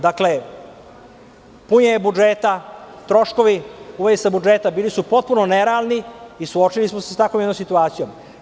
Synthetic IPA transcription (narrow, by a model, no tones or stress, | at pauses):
d̪akle | puɲebud͡ʒeːt̪at̪ɾo̞ʃko̞ʋiuʋedisabud͡ʒet̪abiːlisupo̞t̪̚puno̞neɾealniisuot͡ʃilismosest̪akomjenomsit̪uaːt̪sijo̞m